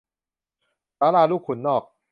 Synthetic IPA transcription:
taː˨˦laː˧˩luː˥˩k̚ʰːu˨˩˦nːɔː˥˩k̚

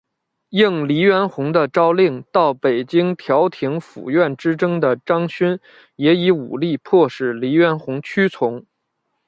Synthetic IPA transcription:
ji˥˩ŋli˧˥ɥɛ˧˥nxʊ˧˥ŋd̪ə˧ʈ͡ʂɑ˥ʊli˥˩ŋt̪ɑ˥˩ʊpe˨˩ɪt͡ɕi˥ŋt̪ʰjɑ˧˥ʊt̪ʰi˧˥ŋfṵ˨˩ɥɛ˥˩nʈ͡ʂɻ̩˥ʈ͡ʂɤ˥ŋd̪ə˨ʈ͡ʂɑ˥ŋɕy˥n | jɛ˧˥i˧˥ṵ˨˩li˥˧pʰwɔ˥˧ʂɻ̩˥˩li˧˥ɥɛ˧˥nxʊ˧˥ŋt͡ɕʰy˥t͡sʰʊ˧˥ŋ

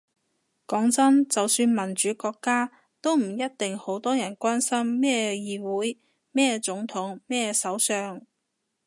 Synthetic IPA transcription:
kɔː˨˥ŋt͡sɐ˥nt͡sɐ˨wsyː˧nmɐ˨˩nt͡ʃyː˨˥kɔː˧kːaː˥ | t̪o˥wm̩˨˩jɐ˥t̚t̪ɪ˨ŋho˨˥wt̪ɔː˥jɐ˨˩nkʷaː˥nsɐ˥mːɛː˥jiː˧wuː˨˥j | mɛː˥t͡sʊ˨˥ŋt̪ʰʊ˨˥ŋmɛː˥sɐ˨˥wsœː˧ŋ

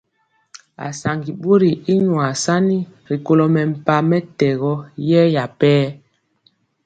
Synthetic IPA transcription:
a̰˨sa˨ŋɡi˨ɓo˦ɾi˨i˦ɲwa˨sa˦ni˦ɾi˨ko˦lɔ˦mɛ˨m̩˨pa˨mɛ˦tɛ˨ɣɔ˦jɛ˦ja˨pɛː˦

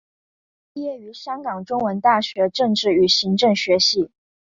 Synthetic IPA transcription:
jɛ˥˩y˧˥ɕjɑ˥ŋkɑ˨˩ŋʈ͡ʂʊ˥ŋwə˧˥nt̪a˥˩ɕɥɛ˧˥ʈ͡ʂɤ˥˧ŋʈ͡ʂɻ̩˥˩y˨˩ɕi˧˥ŋʈ͡ʂɤ˥˩ŋɕɥɛ˧˥ɕi˧˩˦

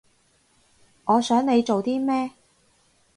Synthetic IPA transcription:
ŋɔː˨˧sœː˨˥ŋne˨˧jt͡ʃo˨wt̪iː˥mɛː˥

